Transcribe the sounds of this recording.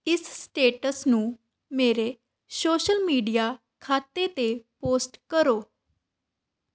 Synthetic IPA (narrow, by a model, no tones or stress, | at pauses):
ɪssʈeːʈəsnũː | meːɾe | soːʃəlmiːɖija | kʰaːt̪et̪epoːsʈkəɾoː